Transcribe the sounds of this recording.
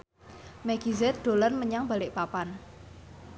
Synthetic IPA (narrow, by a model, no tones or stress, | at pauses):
mɛɡ̥izɛt̪̚d̪̥o̤lənməɲaŋbalɪʔpapan